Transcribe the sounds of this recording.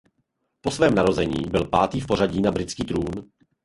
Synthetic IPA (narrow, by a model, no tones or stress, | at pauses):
po̞svɛːmnaɾo̞zɛɲḭːbɪlpaːt̪iːfpo̞ɾaɟiːnabɾɪt͡skiːt̪ɾuːn